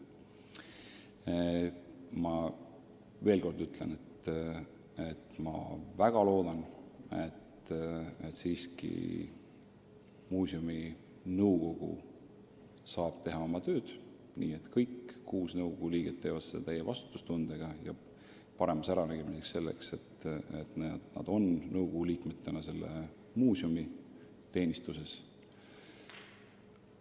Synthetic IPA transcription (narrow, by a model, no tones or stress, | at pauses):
e | mɑ | ve̞ːlko̞rd̪̥yt̪ˑle̞net̪ | e̞t̪mɑ̰væɡ̥ɑlo̞ːd̪̥ɑnḛt̪et̪siːskḭ | muːsomi | nɤwko̞ɡ̥ṵ | sɑːb̥̚t̪e̞ɦɑo̞mɑt̪ø̞ːd̪̥ | niːe̞t̪kɤjkːuːsnɤuwɡo̞ɡ̥uliːɡ̥et̪ːe̞ːvɑd̪̥set̪æjevɑ̰st̪u̥t̪ːˑust̪und̪̥e̞ɡ̥ɑjɑ̰ | pɑɾe̞mɑsæɾɑnæɡ̥e̞miseksːe̞lːe̞̰kse̞t̪ːˑḛt̪net̪nɑ̰d̪̥o̞nnɤwkoɡ̥uliːkmet̪ːˑenɑse̞lːe̞̰ | muːsʲjumi | t̪e̞ːnʲist̪use̞s